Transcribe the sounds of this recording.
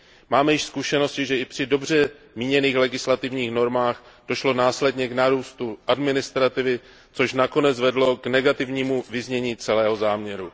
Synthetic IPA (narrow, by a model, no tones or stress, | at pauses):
maːmɛjɪʃskuʃɛno̞scɪʒɛɪpr̝̥ɪdo̞br̝ɛ | miːɲɛniːxlɛɡɪslat̪ɪvɲiːxno̞ɾmaːxd̥o̞ʃlo̞naːslɛdɲɛɡnaɾuːst̪uʔadmɪnɪst̪ɾat̪ɪvɪ | t͡so̞ʃnako̞nɛd͡zvɛdlo̞ɡnɛɡat̪ɪvɲiːmuvɪzɲɛɲiːt͡sɛlɛːɦo̞zaːmɲɛɾu